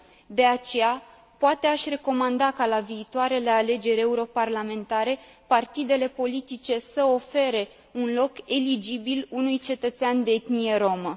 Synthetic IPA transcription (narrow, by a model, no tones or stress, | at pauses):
d̪e̞at͡ʃe̞ja | poat̪e̞aʃʲre̞ko̞mand̪akalaviːt̪oaɾe̞le̞ale̞d͡ʒe̞ɾʲe̞uɾo̞parlame̞nt̪aɾe̞ | part̪id̪e̞le̞po̞lit̪it͡ʃe̞səofe̞ɾe̞ | unlo̞ke̞lid͡ʒibilunujt͡ʃe̞t̪ət̪seand̪eet̪nije̞ɾo̞mə